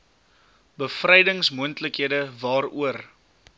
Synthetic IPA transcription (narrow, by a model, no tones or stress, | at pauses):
bəfrɛjdəŋsmuəntləkɦiədəvɑːɾuər